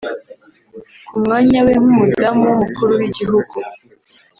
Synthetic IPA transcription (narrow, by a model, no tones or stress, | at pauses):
umŋaːɲaweŋ̥umudamumukuɾuwiɟiɦuɡu